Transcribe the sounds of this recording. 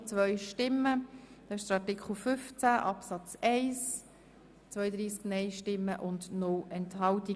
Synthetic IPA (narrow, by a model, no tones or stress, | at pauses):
t͡sʋœʏʃtɪmːəd̥ɑːɪʃd̥əɾɑɾtɪkχl̩fʏft͡sæʔɑpsɑt͡sɛɪs | t͡sʋœjəd̪ɾiːsknɛɪʃtɪmːəʔʊndnʊlɛnthɑlti